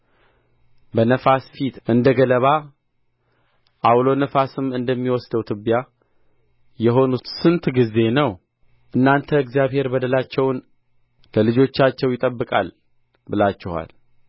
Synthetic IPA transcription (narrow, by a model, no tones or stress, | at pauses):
bənəfasfit̪ɨnd̪əɡələβa | ʔawlo̞nəfasɨmɨnd̪əmːiwɔsd̪əwt̪ʰɨbja | jɛɦo̞nut̪sɨnt̪ʰɡize̞nəw | ʔɨnːant̪ʰəɨɡzjaβhe̞ɾbəd̪əlat͡ʃːɛwn | ləlɨd͡ʒo̞t͡ʃːat͡ʃːɛwjɪt̪ʼəbːɨkʼa̰l | bɨlat͡ʃːɛha̰l